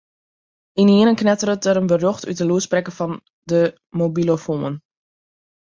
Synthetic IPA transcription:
iniənənknɛtəɾətəɾənbəroxtyt̚dəluəsprɛkəfɔn | də | mobilofumən

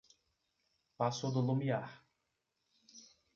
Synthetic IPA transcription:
pasod̪olomiaħ

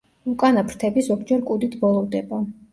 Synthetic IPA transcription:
ukʼanapʰɾt̪ʰɛbisɔkʰd͡ʒɛɾkʼud̪it̪ʰbɔlˠɔvd̪ɛba

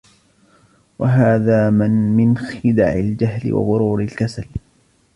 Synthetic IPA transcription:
waɦaːðaːmɪnmɪnxɪd̪a̰ʕɪ̰ld͡ʒaɦlɪ̰wa̰ðʊɾuːɾɪlkasal

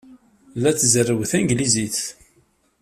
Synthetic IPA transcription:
lːæt͡sːzərːəwθænɡliziθ

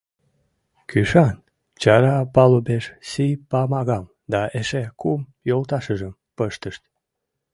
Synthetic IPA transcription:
kʰyʃɑn | t͡ɕɑɾɑpɑlubeʃsipɑmɑɣɑm | d̪ɑeʃekumjolt̪ɑʃəʒəm | pəʃt̪əʃt̪

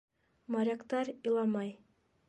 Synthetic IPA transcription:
mɑɾʲakt̪ɑɾilˠɑmɑj

